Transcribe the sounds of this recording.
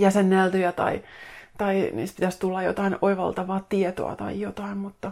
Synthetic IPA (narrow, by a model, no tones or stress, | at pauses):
jæsenːælt̪yjæt̪ɑ̰it̪ɑinḭːspit̪æst̪ulːɑjjo̰t̪ɑinʔoiʋɑ̰lt̪ɑʋɑːt̪iet̪o̰ɑ̰t̪ɑ̰ijjot̪ɑinmut̪ːɑ